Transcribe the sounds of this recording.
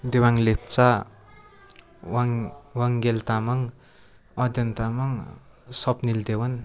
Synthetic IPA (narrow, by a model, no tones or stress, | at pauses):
d̪ewaŋlep̚t͡sa | waŋwaŋɡelt̪amaŋ | ʌd̪jʌnt̪amaŋ | sɔpnild̪ewan